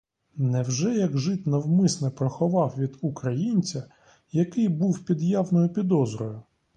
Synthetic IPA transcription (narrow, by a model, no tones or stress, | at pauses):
nɛwʒɛjɐɡʒɪt̪nɐwmɪsnɪpɾɔxɔʋɑwʋʲid̪ukɾɐjinʲt͡sʲɐ | jɐkɪjbuwpʲid̪jawnɔjʊpʲid̪ɔzɾɔjʊ